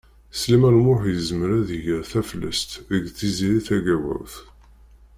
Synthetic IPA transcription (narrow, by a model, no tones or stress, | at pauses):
slimænmʊħjəzməɾæðiʝəɾθæflæ̰st̪əɡθiziɾiθæɡæwæ̰wθ